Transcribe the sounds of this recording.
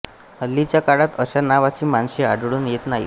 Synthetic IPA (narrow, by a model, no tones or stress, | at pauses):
əlːit͡ɕjakaɽat̪əɕanaʋat͡ɕiːmanɕiaɽɽuːnjet̪naɦi